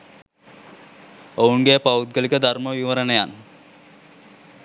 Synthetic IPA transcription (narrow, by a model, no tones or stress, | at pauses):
ouŋɡepaut̪̚ɡəlikəd̪ʱaɾməʋiʋəɾənəjan